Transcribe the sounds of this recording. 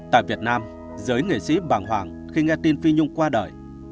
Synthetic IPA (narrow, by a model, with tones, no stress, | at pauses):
t̪a̰ː˧˨jvi˨˩ət̚naː˧m | zɨː˨˦jŋḛ˨˩sḭ˧˥ɓaː˧˩nɦwaː˨˩ŋ | xi˧ŋɛ˧t̪i˧nfi˧ɲʊ˧ŋ͡mkwaː˧ɗə̰ː˨˩j